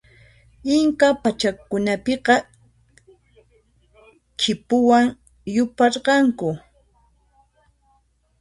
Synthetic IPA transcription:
ɪŋkapat͡ʃakʊnapɪqɑ | kʰɪpʊwaŋ | jʊpɑɾɢɑŋkʊ

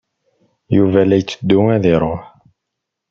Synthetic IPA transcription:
juvælːæjt͡sːəd̪ːuŋæðiɾˤoħ

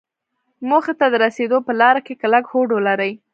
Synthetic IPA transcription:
moxat̪ad̪əɾased̪opəlɑɾakekalakhoɖolaɾəj

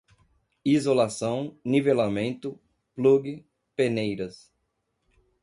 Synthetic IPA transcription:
izolasɐ̃w̃nivelamẽnt̪ʊ | pluɡɪ | penejɾɐs

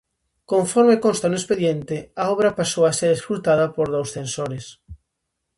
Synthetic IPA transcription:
kõɱfɔɾmekonst̪anʊespeðjent̪ɪaɔβɾɐpasowaseɾesfult̪að̞ɐpoɾð̞owsθẽnsoɾes

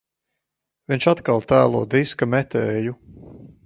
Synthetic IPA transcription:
vint͡ʃat̪kalˠt̪æːlˠuɔd̪iskamɛt̪ɛːju

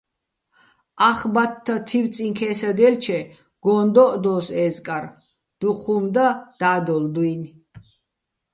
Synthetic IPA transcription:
aχbat̪ʰːat̪ʰiw̪t͡sʼiŋkʰɛːsad̪ɛlt͡ʃʰɛ | ɡ̥ɔnd̪ɔʔd̪ɔːsɛːzkʼaɾ | d̪̥uqʰumd̪ad̪̥aːd̪ɔld̪uin

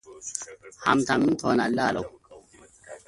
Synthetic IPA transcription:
ha̰mt̪amint̪ʰɔːnalːaːlo̰w

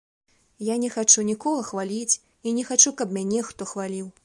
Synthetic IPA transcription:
janʲɛxat͡ʂunʲikɔɣɐxvalʲit͡sʲ | inʲɛxat͡ʂukɐbmʲanʲɛxt̪ɔxvalʲiw

